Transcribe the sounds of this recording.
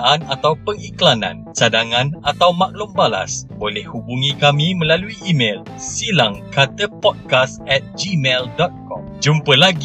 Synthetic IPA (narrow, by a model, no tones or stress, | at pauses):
ʔanat̪awpəŋiklanã̰nt͡ʃadaŋãnat̪awmãk̚lʊmbala̰sbolɛhhubuŋĩkamimə̃laluiʔːmel | silaŋkat̪əpɔt̚kasɛt̪̚d͡ʒimeldɔt̪̚kɔ̰md͡ʒumpəlaɡ